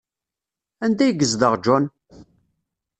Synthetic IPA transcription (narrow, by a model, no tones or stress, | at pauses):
ænd̪æjɡəzd̪əʁd͡ʒɔn